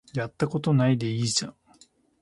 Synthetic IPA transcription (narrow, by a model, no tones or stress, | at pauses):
jat̪ːako̞t̪o̞naid̪e̞iːʑã